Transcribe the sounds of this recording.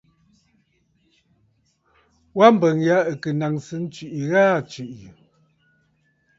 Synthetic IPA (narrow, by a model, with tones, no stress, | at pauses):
wa˦m̩˦bə˨ŋja˨˦ə˨kə˨na˨ŋsɨ˨˦n̩˦t͡ʃi˨ʔi˨ɣaː˦t͡ʃʉ˨ʔi˨